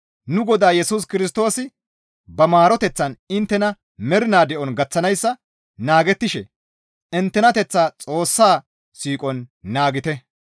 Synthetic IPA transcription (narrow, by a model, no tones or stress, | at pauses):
nʊɡɔd̪aːjɛsuːs̬kɪɾɪs̬t̪o̞ːsɪ | bɐmaːɾɔt̪ɛt͡sːɐnɪnt̪ːɛnɐ | mɛɾɪnaːd̪ɛʔɔnɡɐt͡sːɐnɐjsːɐ | naːɡɛt̪ːɪʃɛ | ɪnt̪ːɛnɐt̪ɛt͡sːaːt͡sʼo̞ːsːaː | siːkʼɔnːaːɡɪt̪ɛ